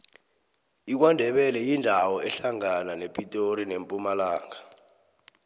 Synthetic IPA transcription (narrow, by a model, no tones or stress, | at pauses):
ik̬wandʱɛɓɛlɛjindʱawɔʔɛɬaŋananepʼitʼoɾinempʼumalaːŋa